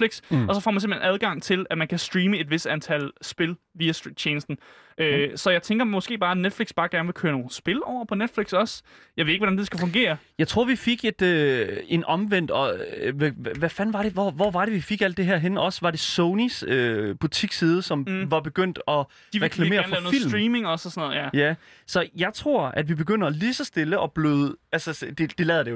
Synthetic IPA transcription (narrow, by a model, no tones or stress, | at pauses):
liɡ̥sɒ̽sɒ̽fɒ̰ːmænsem̥hʰenæð̞ˠɡ̥ɑ̈ŋ̰t͡sʰe̝læmænkʰæsd̥ʁiːməe̝d̥ʋe̝sd̥ænt͡sʰæl̰sb̥e̝l | ʋiːæsd̥i̥t͡ɕʰeːnəsd̥n̩ | ʔøsɒ̽jɑ̈ɪt͡sʰeŋɡ̥ɐmɔ̽sɡ̥e̝̰ːbɑ̈ːæned̥fliɡ̥sb̥ɑ̈ːɡ̥æɐnʋe̝kʰøːɐno̝ːn̩sb̥e̝lɒʊ̰ɐpʰɒ̽ned̥fliɡ̥sɒ̽sjɑ̈ʋeðˠeɡ̥ʋɒ̥ænd̥esɡ̥æfɔ̽ŋɡ̥e̝̰ːɐjɑ̈ɪt͡sʰʁo̝ɐ̰ʋifeɡ̥e̝d̥øe̝nʔɒ̽mʋen̰d̥ɒ̽ʋæʋæfænʋɑ̈ɾe̝ʋɒʋɒʋɑ̈ɾe̝ʋifeɡ̥æl̰d̥ːeɦæɐ̰ɦenʔɒ̽sʋɑ̈ɾ̥e̝sɔʊnisøb̥ut͡sʰiɡ̥sið̞ˠəsɒ̽mʋɑ̈b̥e̝ɡ̥øn̰d̥ɒ̽ | iʁɛkʰlæḛɐnnlɛʊoːil̰ːmʁiːmeŋɒ̽sɒsnɔ̰ð̩ˠjjæ | sɒ̽jɑ̈ɪt͡sʰʁo̝ɐ̰æd̥ʋib̥e̝ɡ̥øn̰d̥ɐːliːsɒ̽sd̥e̝ləʔɒ̽b̥le̝ð̩ˠælsəd̥e̝d̥elɛːð̩ˠd̥eo